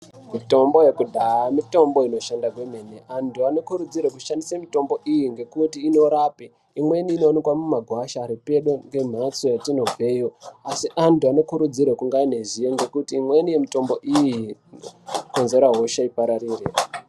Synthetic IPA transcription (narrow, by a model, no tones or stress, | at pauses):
mito̞mbo̞jekudʱaamito̞mbo̞ino̞ʃandakwe̞me̞neʔantuano̞kuɾud͡ziɾek̬uʃandisamito̞mbo̞ʔijiŋɡe̞kutiːno̞ɾaːpiː | mwe̞niːno̞ːnikwamumaɡʱwaʃaɾipe̞ɗoŋɡe̞m̤at͡sojatino̞b͡vʱe̞ːjoasiʔantuano̞kuɾud͡ziɾekuŋɡaine̞zijoŋɡe̞kutiːmwe̞nije̞mito̞mbo̞ʔiji | ko̞nze̞ɾaɦo̞ʃaipaɾaɾiːre